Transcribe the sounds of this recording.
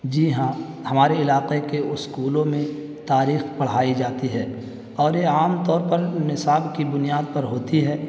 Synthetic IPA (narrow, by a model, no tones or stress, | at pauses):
d͡ʒiːɦã | hɐmaːɾeɪlaːqekeʊskuːlõmẽ | t̪aːɾiːxpɐɽ̤aːid͡ʒaːt̪iɦɛː | ɔːɾjeaːmt̪ɔːɾpɐɾnɪsaːbkibʊnijaːd̪̚pɐɾɦoːt̪iɦɛː